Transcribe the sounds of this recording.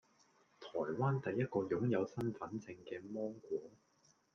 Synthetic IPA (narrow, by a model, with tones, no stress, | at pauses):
t̪ʰɔː˨˩jwaː˥nt̪ɐ˨jːɐ˥t̚kɔː˧jʊ˨˥ŋjɐ˨˧wsɐ˥nfɐ˨˥nt͡sɪ˧ŋkɛː˧mɔː˥ŋkʷɔː˨˥ŋ